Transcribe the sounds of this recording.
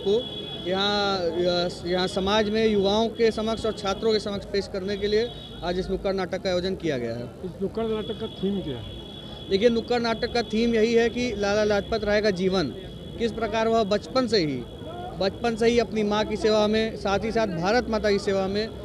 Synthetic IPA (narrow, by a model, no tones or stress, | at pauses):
ko | jɐɦã | jɐɦãsɐmaːd͡ʒmẽjʊʋaːõkesɐməkʃɔːɾt͡ʃʰaːt̪ɾõkesɐməkʃpeːʃkɐɾnekelie | aːd͡ʒɪsnʊkːəɾnaːʈəkːajoːd͡ʒənkijaɡɐja̰ɦɛ̰ːnʊkːəɾnaːʈəkːat̪ʰiːmkja̰ɦɛ | leːkijenʊkːəɾnaːʈəkːat̪ʰiːmjɐɦiɦɛkilaːlalaːd͡ʒpət̪ɾɐɦeɡad͡ʒiːʋən | kɪs̬pɾɐkaːɾʋɐɦbɐt͡ʃpənseɦḭ | bɐt͡ʃpəns̬eɦiɐpnimãkiseːʋamẽsaːt̪ʰisaːt̪̚ʰbʱaːɾət̪maːt̪akiseːʋamẽ